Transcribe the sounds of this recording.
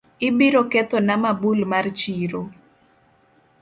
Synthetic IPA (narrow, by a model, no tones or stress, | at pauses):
ɪbiɾoket̪onamabulmart͡ʃiɾo